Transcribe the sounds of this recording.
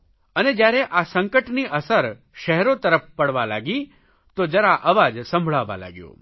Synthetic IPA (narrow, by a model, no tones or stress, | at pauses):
əned͡ʒjaɾeʔasə̃ŋkəʈniʔəsəɾ | ʃɛɦɛɾot̪əɾəfpəɽʋala̰ɡi | t̪od͡ʒəɾaʔəʋad͡ʒsə̃mbʱɭaʋa̰la̰ɡjṵ̃